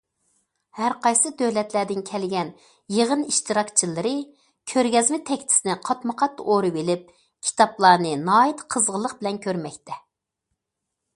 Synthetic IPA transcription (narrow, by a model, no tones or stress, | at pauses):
hæɾqɑjsɨd̪øwlɛt̪læd̪ɪnkʲʰɛlɡʲɛn | jeʁəniʃt̪ɨɾɑkt͡ʃʰilˠɨɾɨ | kʲʰøɾɡʲɛzmɪt̪ʰɛkʲt̪ʰɪ̥sɪnɪqʰɑt̪məqʰɑt̪ːoɾɨbelɪp̚ | kʲʰi̥t̪ʰɑplˠɑːnɨnɑːit̪qʰəzʁəlˠəqbɪlɛnkʲʰøɾmɛkʲt̪ʰɛ